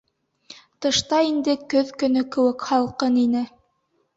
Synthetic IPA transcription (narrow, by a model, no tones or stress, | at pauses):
t̪ɤ̆ʃt̪ɑind̪ɘkɵðkɵ̆nɵkɘ̆wɘkhɑlˠqɤninɘ